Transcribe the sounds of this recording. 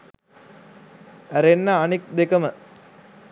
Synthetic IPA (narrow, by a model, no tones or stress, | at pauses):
æɾenːaːnik̚d̪ekɐmə